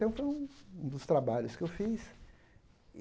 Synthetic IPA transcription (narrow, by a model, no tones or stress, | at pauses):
t̪ɐ̃w̃fojũũd̪ʊst̪ɾabaʎʊskɪewfis